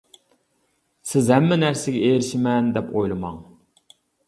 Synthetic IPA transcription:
sɪzɦɛmːɛnæɾsɪɡʲɛeɾɪʃɪmɛnd̪ɛpʰojlˠɨmɑ̰ŋ

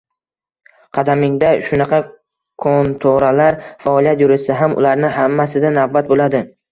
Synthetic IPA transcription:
qʰɑd̪amɪŋd̪aʃʊnɑqʰɑ | kʰont̪ʰoɾalaɾfaɒlˠijat̪jʊɾɪsaɦamʊ̰laɾnɪhamːasɪd̪anavbat̪̚bolad̪ɪ

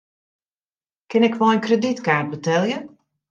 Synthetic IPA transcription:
kɪnɛkʋɔlˠənkrəditkaːrt̚bətɛlˠjə

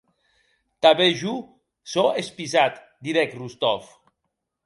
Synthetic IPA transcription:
t̪aβeʒu | soespizat̪ | d̪iɾɛkrust̪ɔf

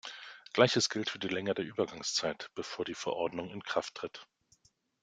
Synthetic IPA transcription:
ɡ̥laɪçəsɡ̥ɪltfyːɐdiːlɛŋədeːɐʔyːbɐɡaŋst͡saɪtb̥əfoːɐdiːfɛɐʔɔɐdnʊŋɪnkʁ̥aftːʁ̥ɪt

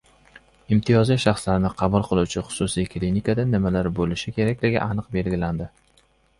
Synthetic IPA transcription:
ɪmt̪ʰijɒziʃɑχslaɾɪnɪqʰɑbʊlˠqʰɨlˠuwt͡ʃʰɪχʊ̥sʊsijkʰlinikad̪anɪmalaɾbolɪʃɪkʲʰe̞ɾakʲlɪɡʲɪ̰ʔanɨqbe̞lɡʲɪland̪ɪ

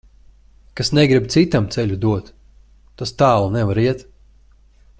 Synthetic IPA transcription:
kasnɛɡɾib̚t̪sit̪amt̪sɛlʲud̪uɔt̪ː | ast̪aːlˠunɛvaɾiɛt̪

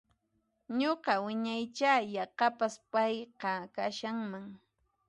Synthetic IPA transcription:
ɲoqɑwɪɲajt͡ʃaːjɑqɑpaspɑjqɑkaʃaŋmaŋ

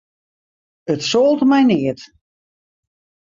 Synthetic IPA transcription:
ətsoːlˠtmɛjnɪət

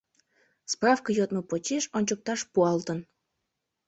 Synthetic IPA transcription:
sprɑfkəjot̪məpot͡ɕeʃonʲt͡ɕok̚t̪ɑʃpuɑlt̪ən

